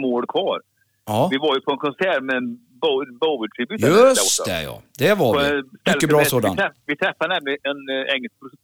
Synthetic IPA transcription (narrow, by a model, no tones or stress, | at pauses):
moːlkʰvɑːɾ | ɑvɪvaɾjɵpʰɔɛnkʰɔnsæːɾmɛ | bbɔvəʈʰiːbyːjaɵsɔtɔɛ̰jɑ̰ːd̪ɛvaɔɛst̪lːəbɾɑːsoːd̪a̰nʰɛvɪt̪ʰɾɛfːaɾnæmlɪɛnɛŋːɛlsk̚pʰɾʊs